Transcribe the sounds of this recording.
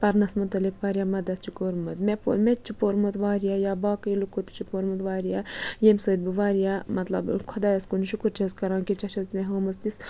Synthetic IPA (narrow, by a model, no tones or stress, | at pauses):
pɐɾnɐsmut̪ɐlikʋaːɾjaːmɐd̪ɐt̪̚t͡ʃʰikoɾmɐt̪mepo̰met͡ʃʰipoːɾmɐt̪ʋaːɾijaːjaːbaːkɐilukot̪u̥t͡ʃʰipoːɾmɐt̪ʋaːɾijaːjemsəːd̪̚biʋaːɾijaːmɐt̪lɐ̰bkʰɐd̪aːjɐskuniʃukuɾt͡ʃʰeskɐɾãːnkit͡ʃɐt͡ʃʰɐlt̪meɦoːmɐst̪is